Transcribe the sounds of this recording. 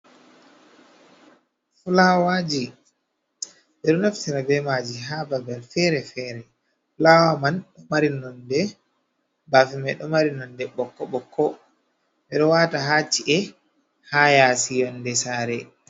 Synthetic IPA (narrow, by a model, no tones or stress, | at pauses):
fulawad͡ʒi | ɓɛɗɔnaftiɾabɛmad͡ʒiɦababɛlfɛːɾɛfɛɾɛ | fulawamanɗɔmaɾinɔndɛ | baːfimɛɗɔmaɾinɔndɛɓɔkːɔɓɔkʰːɔ | ɓɛɗɔwaːtaɦat͡ʃːiʔɛ | hajasijɔndɛsaːɾɛ